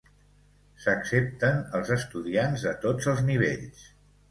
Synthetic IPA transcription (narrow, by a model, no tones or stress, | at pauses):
səksep̚t̪ənəlˠzəst̪uðianzət̪od͡zəlˠzniβ̞ḛʎs